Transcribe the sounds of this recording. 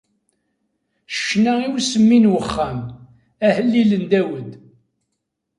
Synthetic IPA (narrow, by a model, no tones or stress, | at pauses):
ʃə̥ʃnæiwsəmːinwəχːæm | æhəlːilənd̪æwəd̪